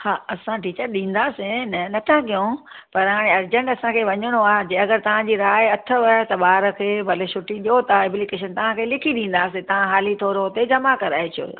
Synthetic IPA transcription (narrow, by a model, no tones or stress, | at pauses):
haːɐsãʈiːt͡ɕəɾɗĩːn̆d̪aːsẽnɐnɐt̪ʰãkijõ | pɐɾɦaːɽ̃eɐɾd͡ʑə̃ɳʈɐsãkʰeːʋɐɲəɽ̃oaːɦd͡ʑeɐɡəɾt̪ɐʋ̤ãd͡ʑiɾaːɪɐt̪ʰə̆ʋɐɦt̪ɐɓaːɾə̆kʰeːbʱɐleʃʊʈiɗijot̪aɛblɪkeːʃ̬ənt̪ɐʋ̤ãkʰeːlɪkʰiɗĩːn̆d̪aːs̬ẽt̪ɐʋ̤ãɦaːlit̪ʰoːɾot̪ed͡ʑɐmakɐɾaːet͡ɕʰio̰ː